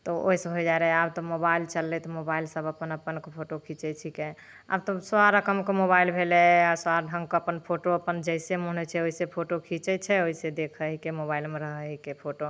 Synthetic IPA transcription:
t̪ɔo̰isəbʱojd͡ʒaɾɛabt̪ɔmobailt͡ʃəlːɛt̪ɔmobailsəbəpənəpənkepʰoʈokʰit͡ʃɛt͡ʃʰike | a̰b̚t̪ɔswaɾəkəmkemobailbʱelɛasaɾɖʱəŋɡkəpənpʰoʈoəpənd͡ʒəɪsemuɦnɛt͡ʃʰɛoisepʰoʈokʰit͡ʃɛt͡ʃʰɛoised̪ekʰəɦikemobailmeɾəɦəɦikepʰoʈo

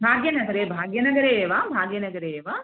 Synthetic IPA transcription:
bʱaːɡjɐnɐɡɐɾeːbʱaːɡjɐnɐɡɐɾeʋaːbʱaːɡjɐnɐɡɐɾeʋa

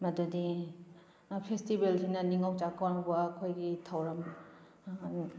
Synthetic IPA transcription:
mɐdudi | pʰestibelsinɐniŋawt͡ʃakʰawnbaːkʰojɡitʰawɾɐm

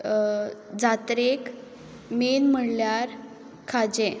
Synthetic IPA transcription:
d͡zat̪ɾek | menm̤əɽljaɾ | kʰad͡ʑe

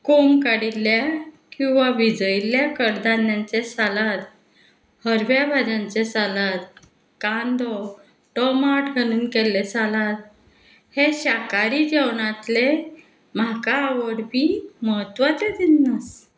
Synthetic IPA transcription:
komkaɽilːjakĩw̃ʋaʋid͡zəiljakəɽd̪anjant͡sesalat̪ | həɾʋjabʱad͡ʑãnt͡sesalat̪ | kand̪ɔ | ʈɔmaʈɡʱañuːnkelet͡salat̪̚ | heɕakaɾiːd͡ʑewɳat̪le | m̤akaːʋəɽbiːməɦət̪ʋat͡sed̪inːas

